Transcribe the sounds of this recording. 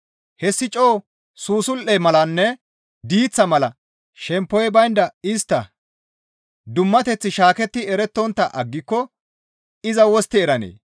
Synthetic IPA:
hɛsːɪt͡ʃʼo̞ː | suːsʊlʔɛmɐlɐnːɛ | d̪iːt͡sːɐmɐlɐ | ʃɛmpːɔjɛbɐjnd̪ɐɪst̪ːɐ | d̪ʊmːɐt̪ɛt͡sːɪʃaːkɛt̪ːɪɛɾɛt̪ːɔnt̪ːɐʔɐɡːɪkːɔ | ɪzɐwɔst̪ːɪɛɾɐnḛː

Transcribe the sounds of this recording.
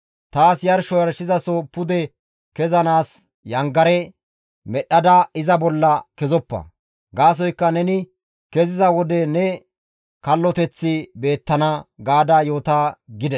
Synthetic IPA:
t̪aːsjɐɾʃɔjɐɾʃɪzɐsɔpʊd̪ɛ | kɛzɐnaːs | jɐŋɡɐɾɛ | mɛɗːɐd̪ɐɪzɐbɔlːɐkɛzɔpːɐ̰ | ɡaːs̬ɔjkːɐnɛnɪ | kɛzɪzɐwɔd̪ɛnɛ | kɐlːɔt̪ɛt͡sːɪbe̞ːt̪ːɐnɐɡaːd̪ɐjo̞ːt̪aːɡɪd̪ɛ

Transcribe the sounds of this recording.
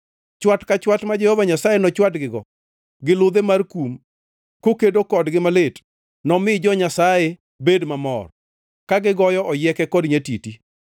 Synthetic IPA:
t͡ʃwatkat͡ʃwatmad͡ʒehovaɲasajenɔt͡ʃwatɡɪɡɔ | ɡɪlʊd̪emarkum | kokedokɔdɡɪmalet | nɔmɪd͡ʒɔɲasaje | bedmamɔ̰r | kaɡɪɡɔjɔʔɔjɛkɛkɔdɲetiti

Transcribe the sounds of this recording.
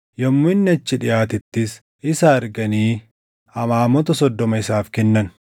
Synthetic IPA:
jɐmːʊɪnːɪɐt͡ʃːɪᶑɪjaːt̪ɪt̪ːɪs | ɪsaɐɾɡɐniː | hɐmaːmɔt̪ɐsɔd̪ːɔmɐɪsaːfkɛnːɐn

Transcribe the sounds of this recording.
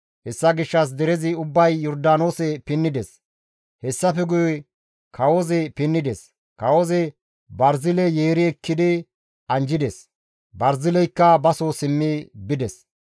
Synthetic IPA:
hɛsːɐɡɪʃːɐs̬d̪ɛɾɛzɪʊbːɐjːɔɾd̪aːno̞ːsɛpɪnːɪd̪ɛs | hɛsːɐfɛɡʊj | kʰɐwozɛpɪnːɪd̪ɛs | kɐwozɛ | bɐɾzɪlɛjeːɾɪɛkːɪd̪ɪ | ʔɐnd͡ʒɪd̪ɛs | bɐɾzɪlɛjkːɐbɐsosɪmːɪbɪd̪ɛs

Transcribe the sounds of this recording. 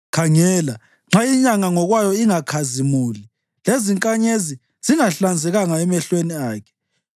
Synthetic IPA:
kʰaŋɛːla | ŋ͡ǁaiɲaŋaŋɔɣwajɔiŋakʰazimuːli | leziŋkʼaɲezi | z̥iŋaɬand͡zʱɛɣaŋaɛmɛɬweniaːkʰɛ̥

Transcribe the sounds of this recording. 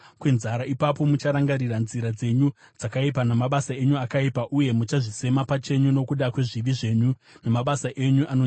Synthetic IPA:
kwenzaɾaipapo̞mut͡ʃaɾaŋɡaɾiranziɾad͡ze̞ɲud͡zakaipanamaɓasae̞ɲuakaipaʔuje̞mut͡ʃaʐise̞mapat͡ʃe̞ɲuno̞kuɗakwe̞ʐiʋiʐe̞ɲu | namaɓasaʔe̞ɲuʔano

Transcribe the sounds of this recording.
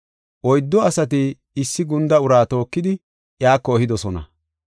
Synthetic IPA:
ʔɔjd̪ːɔɐsɐt̪̬ɪ | ɪsːɪɡʊnd̪ɐʊɾaːt̪o̞ːkːɪd̪ɪ | jaːkːɔːhɪd̪ɔsɔnɐ̰

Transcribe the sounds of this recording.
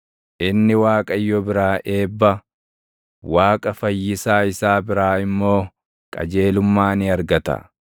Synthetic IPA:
ʔɪnːɪwaːkʼɐjːɔbɪɾaːʔe̞ːbːɐ | waːkʼɐfɐjːɪsaːɪsaːbɪɾaːɪmːo̞ː | kʼɐ̰d͡ʒe̞ːlʊmːaːnɪɐɾɡɐt̪ɐ̰

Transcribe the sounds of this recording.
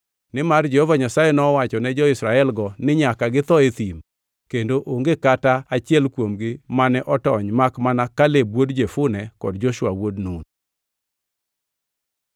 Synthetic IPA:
nɪmard͡ʒɛhɔvaɲasajɛnɔwat͡ʃɔnɛd͡ʒɔɪsɾaɛlɡɔnɪɲakaɡɪt̪ɔet̪im | kendoʔoŋɡekataat͡ʃɪɛlkwomɡɪmanɛʔɔtɔɲmakmanakalebwodd͡ʒefʊnɛkɔ̰dd͡ʒɔʃʊwawodnun

